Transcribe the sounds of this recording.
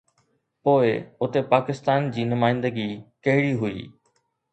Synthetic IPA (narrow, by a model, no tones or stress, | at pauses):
poːɪʊt̪epaːkɪst̪aːnd͡ʑiːnʊmaːɪ̃nd̪əɡikɐɦɪɽiɦʊḭː